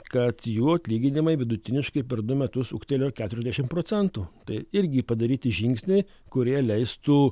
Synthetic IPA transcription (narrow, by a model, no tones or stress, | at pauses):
kɐt̪juːɐt̪ʲlʲiːɡʲɪnʲɪmɐɪʋʲɪd̪ʊt̪ʲɪnʲɪʃkɐɪpʲɛɾd̪ʊmʲɛt̪ʊsʊ̰kt̪ʲɛlʲoːkʲæːt̪ʊɾʲɛzʲd̪ʲæʃʲɪmpɾoːsʲɛnt̪uːt̪ɐɪɪɾʲɡʲɪpɐd̪ɐɾʲiːt̪ʲɪʒʲɪŋksʲnʲɛɪ | kʊɾʲiɛlʲɛɪst̪uː